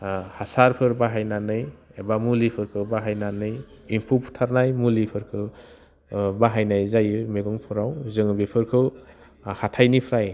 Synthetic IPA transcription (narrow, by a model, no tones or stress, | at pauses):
hasaɾpʰɯɾbaɦajnanɯjebamulipʰɯɾkʰɯbaɦajnanɯj | impʰupʰu̥tʰaɾnajmulipʰɯɾkʰɯ | baɦajnajzajɯmeɡɔŋpʰɯɾawzɯŋɯbipʰɯɾkʰɯw | hatʰajnipʰɾaj